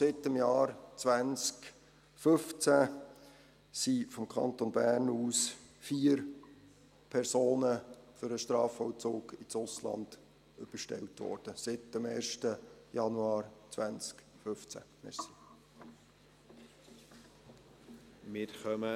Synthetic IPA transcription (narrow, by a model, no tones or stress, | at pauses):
sɪtːɪmjɑːɾt͡svænt͡sk | fɵft͡sæ | sifɔmkʰɑ̰ntonbæːrnuːsfiːəɾ | pʰɛɾsoːnəfʏɾəʃtɾɑːfɔwt͡soːɡ̥ɪt͡sʊslɑ̰nd̥ | ʏb̥əʃtɛ̰ltʋɔ̰ːɾd̥əsɪtəmeːrʃtəjɑnuɑːɾt͡sʋænt͡sk | fɵft͡sæ̰mɛsi̥ | mɪɾχœmə